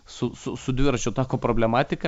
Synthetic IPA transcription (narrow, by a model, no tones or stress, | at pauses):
sʊsʊsʊd̪ʲʋʲɪɾɐt͡ʃʲʊt̪ɑːkoːpɾoːbʲlʲɛmɑːt̪ʲɪkɐ